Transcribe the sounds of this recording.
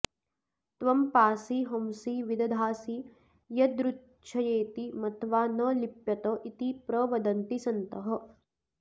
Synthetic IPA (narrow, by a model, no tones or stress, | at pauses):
t̪ʋɐmpaːsiɦɐmsiʋid̪ɐd̪ʱaːsi | jɐd̪ɾutː | ʃʰɐjeːt̪imɐt̪ʋaːnɐlipjɐt̪ɐʔit̪ipɾɐʋɐd̪ɐnt̪isɐnt̪ɐɦɐ